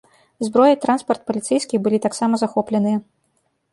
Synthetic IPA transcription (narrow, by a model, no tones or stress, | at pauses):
zbɾɔjɐt̪ɾanspɐrt̪̚pɐlʲit̪sɛjskʲixbɨlʲit̪aksamɐzaxɔplʲɛnɨjɐ